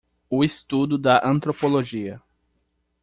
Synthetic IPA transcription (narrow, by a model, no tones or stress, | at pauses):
ʊɪst̪ud̪ʊd̪ɐʔɐ̃nt̪ɾopoloʒiɐ